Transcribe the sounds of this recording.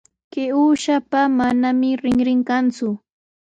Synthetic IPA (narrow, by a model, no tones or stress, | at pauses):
kɪuːʃapamanamɪɾɪŋɾɪŋkant͡sʊ